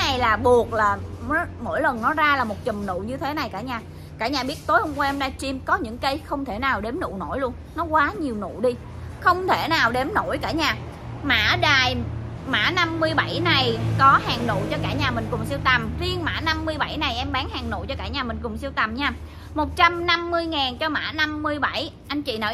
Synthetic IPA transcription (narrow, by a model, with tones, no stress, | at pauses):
na˨˩jlaː˨˩ɓu˨˩ək̚laː˨˩˨mo̰˧˥˨jlə˨˩nnɔ˨˦zaː˧laː˨˩mo˨˩t̚t͡ɕə˨˩mnṵ˧˨ɲɨ˧t̪ʰe˨˦na˨˩jkaː˧˩ɲaː˨˩ | kaː˧˩ɲaː˨˩ɓi˦˥ət̚t̪o˨˦jhə˧wŋ͡mkwa˧ʔɛ˧mɗaː˧˩jt͡ɕi˧mkɔ˨˦ɲɨ̰˧˥ŋkə˧jxə˧wŋ͡mt̪ʰe˧˩naː˨˩wɗe˨˦mnṵ˧˨no̰˧˩˨jlu˧ən | nɔ˨˦kwaː˨˦ɲi˨˩əwnṵ˧˨ɗi˧ | xə˧wŋ͡mt̪ʰe˧˩naː˨˩wɗe˨˦mno̰˧˩jkaː˧˩ɲaː˨˩ | ma̰ː˧˥ɗaː˨˩j | ma̰ː˧˥na˧mːɨ˧əjɓa˧˩jna˨˩jkɔ˨˦haː˨˩ŋnṵ˧˨t͡ɕɔ˧kaː˧˩ɲaː˨˩mï˨˩ŋ̟kʊ˨˩ŋ͡msi˧əwt̪ə˨˩mzi˧ənma̰ː˧˥na˧mːɨ˧əjɓa˧˩jna˨˩jʔɛ˧mɓaː˨˦ŋhaː˨˩ŋnṵ˧˨jt͡ɕɔ˧kaː˧˩ɲaː˨˩mï˨˩ŋ̟kʊ˨˩ŋ͡msi˧əwt̪ə˨˩mɲaː˧ | mo˨˩t̚t͡ɕa˧mna˧mːɨ˧əjŋaː˨˩nt͡ɕɔ˧ma̰ː˧˥na˧mːɨ˧əjɓa˧˩jʔa˧jŋ̟t͡ɕḭ˧˨naəː˨˩